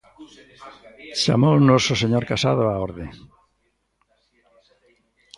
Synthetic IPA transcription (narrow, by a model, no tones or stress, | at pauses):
ʃa̰mownososeɲoɾkasaðoaoɾðe